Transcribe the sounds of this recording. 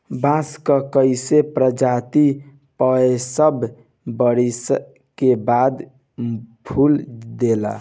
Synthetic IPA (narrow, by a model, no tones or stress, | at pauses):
bãskəkəɪsepɾəd͡ʒat̪i | pəesəb | bəɽis | kebad̪ | bʱʰuld̪ela̰